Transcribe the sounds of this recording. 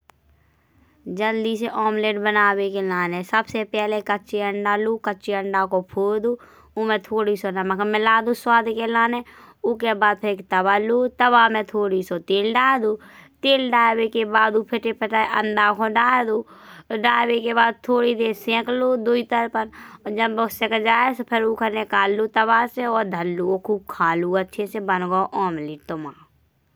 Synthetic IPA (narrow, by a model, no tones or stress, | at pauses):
d͡ʒəld̪iːseʔɔːmleːɖbənaːwekelaːnẽsəbsepɛɦlekətːt͡ʃeəɳɖaluːkəːt͡ʃeəɳɖakopʰoːd̪uː | umẽt̪ʰoːɽisonaməɡəmɛlaːd̪ũswaːd̪ʱkelaːne | ʊkebaːd̪̚pʰɪɾekt̪əbaːluːt̪əbaːmẽt̪ʰoːɽisot̪eːlɖaːd̪uːt̪eːlɖaːbekebaːd̪upʰɪʈepʰəʈaːeʔə̰̃nd̪aːkʰõɖaːd̪uːɖaːwekebaːd̪̚t̪ʰoːɽid̪eːsẽːkloːd̪uit̪əɾpənɔːd͡ʒəbbəsekəd͡ʒaːespʰɪɾuːkʰəɾnekaːlːuːt̪əβaːseɔːɾd̪ʱəlːuokʰuːb̚kʰaːluətːʃʰesebənɡoʔɔːmliʈ̪ʊmaː